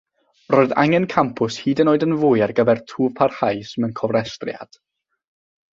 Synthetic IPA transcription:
roːɨða̰ŋɛnkʰampʰʊshiːdənoːɨdənvʊːjarɡəvɛrtʰuːv̥pʰarhajsmənkʰɔvrɛstrja̰d̥

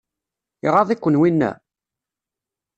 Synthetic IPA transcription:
iʁɑðˤikʷːənwinːæ̰

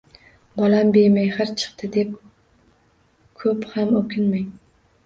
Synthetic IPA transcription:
bɒlambejmajhɨɾt͡ʃʰɨ̥qt̪ʰɪd̪e̞p̚ | kʰɵphamɵkʲɪnmaj

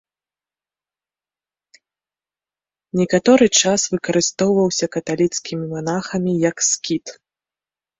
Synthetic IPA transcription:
nʲɛkat̪ɔɾɨt͡ʂasvɨkɐɾɨst̪ɔwvɐwsʲɐkɐt̪alʲit̪skʲimʲimanaxɐmʲijɐkskʲit̪

